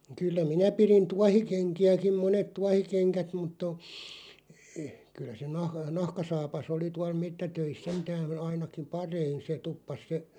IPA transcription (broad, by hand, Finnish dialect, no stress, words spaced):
kylːæ minæ pirin tuɑhikeŋkiækim̆ monet tuɑhikeŋkæt mutː o kylˑæ se nɑh nɑhkɑsɑːpɑs oli tuɑl metːætøis sentæːn ɑinɑkim̆ pɑrein̞ se tupːɑs se